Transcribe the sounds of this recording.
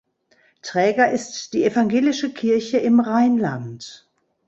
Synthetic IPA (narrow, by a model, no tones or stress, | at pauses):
tʁ̥ɛːɡɐʔɪstd̥iːefaŋɡeːlɪʃəkʰɪɐçəɪmʁaɪnla̰nt